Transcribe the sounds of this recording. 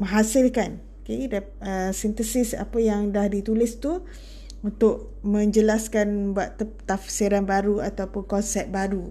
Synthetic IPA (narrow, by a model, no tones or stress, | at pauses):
mə̃ŋɦasɪlkan | keda | əsint̪əsɪsa̰pajaŋdahdit̪ulɪst̪u | unt̪ʊʔ̚ | mə̃ɲd͡ʒəlaskanbuaʔ̪ət̪afsiɾanbaɾuat̪awpʊnkɔnsɛp̪̚baɾu